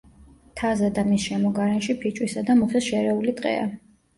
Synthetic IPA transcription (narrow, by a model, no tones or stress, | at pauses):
t̪ʰazad̪amisʃɛmɔɡaɾɛnʃipʰit͡ʃʼwisad̪amɔχɛsʃɛɾɛulit̪ʼqʼɛ̰a̰